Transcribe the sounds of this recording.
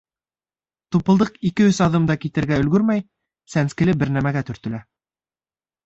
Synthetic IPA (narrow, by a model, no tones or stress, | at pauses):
t̪upɤ̆lˠd̪ɤqikɘɵsɑðɤmd̪ɑkit̪ɘ̆ɾɡæɵ̆lɡɵɾmæj | sænskɘ̆lɘbɘɾnæmæɡæt̪ɵ̆ɾt̪ɵ̆læ